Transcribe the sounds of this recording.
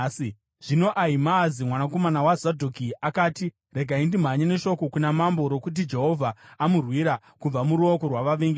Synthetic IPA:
ʐ̥ino̞ʔaimaːzimwanako̞manawazadʱokiakaːti | re̞ɡʱaindim̤aɲene̞ʃo̞ko̞kunamambo̞ɾo̞kut̬id͡ʒe̞ɦo̞vʱaːmurwiɾa | kub͡vamuɾuokorwaʋaʋeŋɡe

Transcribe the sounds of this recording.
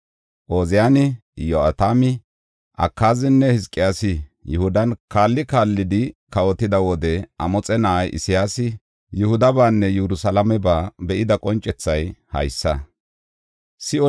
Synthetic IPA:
ʔoːzɪjaːnɪjoɐt̪aːmɪ | ʔɐ̰kːaːzɪnːɛhɪskʼːɪjaːsɪjʊhʊd̪ɐnkaːlːɪkaːlːɪd̪ɪkɐwɔt̪ɪd̪ɐwɔd̪ɛɐmɔt͡sʼɛnɐʔjʔɪ̰sɪjaːsɪ | jʊhʊd̪ɐbaːnːɛjɛɾʊsɐlɐmɛbaːbɛʔɪd̪ɐkʼɔnt͡ʃʼːɛt͡sːɐjhɐ̰jsːɐ | sɪɔ

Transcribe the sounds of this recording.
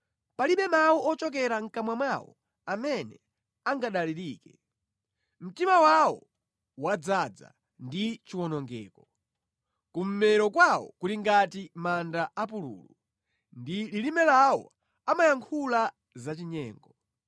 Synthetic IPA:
paliɓɛmawuɔt͡ʃɔk̬ɛɾaŋ̩kamwamwawɔ̰ | amɛnɛ | aŋɡaɗaliɾiːkɛ | m̩timawawɔ̰ | wad͡zad͡za̰ | ndit͡ʃiwɔnɔŋɡɛ̰ːkɔ | kum̩mɛɾɔkwawɔ̰kuliŋɡatimandaap̬ulṵːlu | ndililimɛlawɔ̰ | amajaŋkʰula | zat͡ʃiɲɛːŋɡɔ

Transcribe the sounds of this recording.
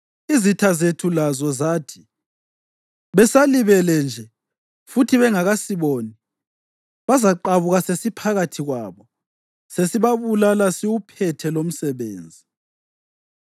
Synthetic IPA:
izitʰazetʰulazɔzaːtʰi̥ | βɛsaliβɛlɛnd͡ʒʱɛ | futʰiβɛŋaɣasiβoːni | βazaǃaβuɣasesipʰaɣatʰiɣwaːβɔ | sesiβaβulalasiwupʰɛtʰɛlom̩sɛβeːnd͡zʱi

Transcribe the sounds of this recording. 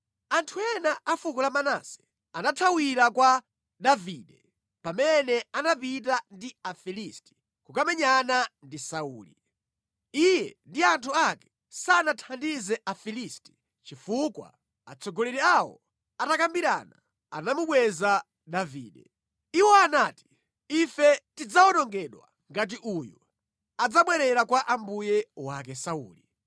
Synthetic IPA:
antʰuɛnaafukɔlamana̰sɛ̥ | anatʰawiɾakwa | ɗaviːɗɛ | pamɛnɛanapit̬andiafilisti̥ | kukamɛɲanandisauːlḭ | ijɛ̰ndiantʰuakɛ̥ | sanatʰandizɛafilisti̥ | t͡ʃifukwa̰ | at͡sʰɔɡɔlɛɾiawɔ̰ | atakambiɾa̰na | a̰namuɓwɛza | ɗaviːɗɛ̰ | iwɔanaːti̥ | ifɛtid͡zawɔnɔŋɡɛɗwa̰ | ŋɡat̬iʔuju | ad͡zaɓwɛɾɛɾakwaʔambujɛwak̬ɛsaṵːli

